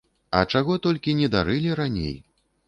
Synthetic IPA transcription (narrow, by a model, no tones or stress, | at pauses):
ɐ̰t͡ʂaɣɔt̪ɔlʲkʲinʲɛd̪aɾɨlʲiɾanʲḛj